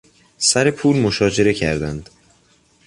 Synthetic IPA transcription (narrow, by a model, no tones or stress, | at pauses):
sæɾe̞pʰuːlmo̞ʃɒːd͡ʒe̞ɾe̞cʰæ̰ɾd̪ænd̪̥